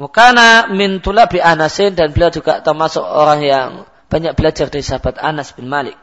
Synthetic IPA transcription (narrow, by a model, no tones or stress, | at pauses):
wkanamɪnt̪ulaʔbiʔanasɪndanbəliɔrd͡ʒuɡaʔt̪ərmasʊk̚o̰ɾaŋjaŋ | b̥aɲak̚b̥əlad͡ʒardaɾisaɦab̥at̪a̰nasb̥ɪnmalɪk̚